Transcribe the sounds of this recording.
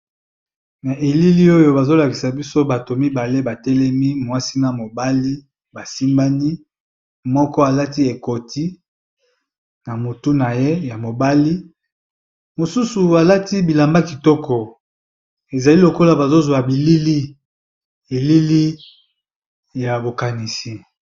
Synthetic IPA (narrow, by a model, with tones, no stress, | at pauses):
na˨ʔe˨li˦li˦o˦jo˦ba˨zo˦la˨ki˨sa˨bi˦so˦ba˨to˨mi˦ba˨le˦ba˨tɛ˦lɛ˦mi˦mwa˦si˦na˨mo˨ba˦li˦ | ba˨si˦mba˦ni˦ | mɔ˦kɔ˦a˨la˦ti˦e˨ko˨ti˦ | na˨mo˨tu˦na˨je˦ja˨mo˨ba˦li˦ | mo˨su˦su˨a˨la˦ti˦bi˨la˨mba˦ki˨tɔ˦kɔ˨ | e˨za˨li˦lo˨ko˦la˨ba˨zo˦zwa˨bi˨li˦li˦ | e˨li˦li˦ | ja˨bo˨ka˨ni˨si˨